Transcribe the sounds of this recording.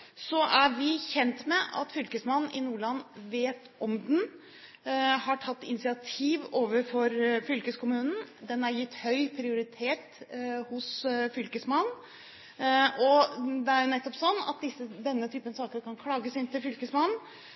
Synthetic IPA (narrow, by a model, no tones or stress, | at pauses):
sɔʔæɾʋɪçɛnt̪mɛʔɑ̰t̪fʏlkəsmɑnn̩ɪnuːɭɑnːʋeːt̪ | ɔmd̪n | hɑʈʰɑt̪ːɪ̰nɪsɪɑt̪ʰiːʋoːʋəɾfɔɾfʏlkəskʊmʉːnn̩d̪ɛnɑɾjɪt̪ːhœʏpʰɾɪʊɾɪt̪ʰeːt̪hʊsfʏlkəsmɑn | ʔɔd̪ɛæɾjʊnɛt̪ːɔpsɔnːɑ̰t̪̚d̪ɪsːəd̪ɛnːət̪ʰyːpənsɑːkəɾkʰɑnkʰɽɑːɡəsɪnt̪ɪlfʏlkəsmɑn